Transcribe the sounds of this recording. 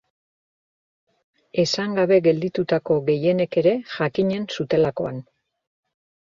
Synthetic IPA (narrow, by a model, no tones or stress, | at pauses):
e̞saŋɡaβe̞ɡe̞ld̪it̪ut̪ako̞ɣe̞je̞ne̞ke̞ɾe̞ʝakiɲe̞nsut̪e̞lako̞̰an